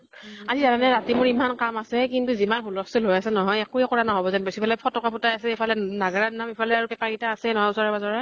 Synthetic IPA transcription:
azizananɛɹatimʊɹimankamasɛkintuzimanxulɔstulojasɛnɔɦɔjɛkuɛkɔɹanaɦobɔzanbesipʰalɛpʰɔtɔkapʰutajasɛepʰalɛnaɡaɹanamipʰalɛaɹupɛpaɹɡitaːsɛnɔɦɔjusɔɹɛbazɔɹɛ

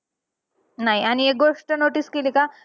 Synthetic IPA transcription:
naɦiañiek̚ɡoʂʈənoʈiskelika

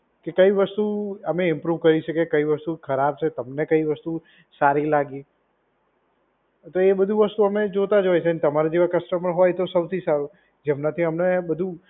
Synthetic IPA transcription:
kekəiʋəst̪uəmeɪmpɾuʋkəɾiʃəkekəiʋəst̪ukʰəɾab̚t͡ʃʰet̪əmnekəiʋəst̪u | saɾilaɡi | t̪oebəd̪ʱuʋəst̪uəmed͡ʒot̪ad͡ʒojt͡ʃʰent̪əmaɾad͡ʒeʋakəsʈəməɾɦojt̪osəʋt̪ʰisaɾu | d͡ʒemnat̪ʰiəmnebəd̪ʱu

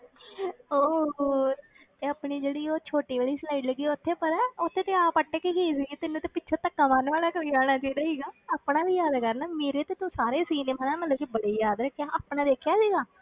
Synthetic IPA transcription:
oː | t̪eːəpniːd͡ʒeːɽiːoːt͡ʃʰoːʈiːʋeːɽiːslaːiːɖləɡːiːʊt̪ʰːeːpəɾaːʊt̪ʰːeːt̪eːãːpəʈːeːkeɦiːs̬iːɡeːt̪ɪnːũːt̪epɪːt͡ʃʰaːt̪əkːaːmaːnʋaːlaːkəɾiːd͡ʒaːɽ̃aːt͡ʃaiːd̪aːsiːɡaːaːpnaːʋiːjaːd̪kəɾnaːmeːɾeːt̪eːt̪õsaːɾeːsiːneːmãːnɛːmət̪ləbkibəɽeːjaːd̪ɾəkʰːjaːʔaːpɳãːd̪eːkʰjaːsiːɡaː

